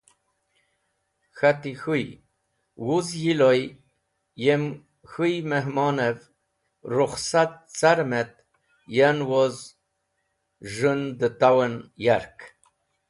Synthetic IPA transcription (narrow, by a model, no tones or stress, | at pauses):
xat̪ixuj | wuzjiloj | jem | xujmeɦmɑːnev | ruχsat̪̚t͡saɾmet̪ | janwoz | ʒɨnd̪ət̪awənjaɾk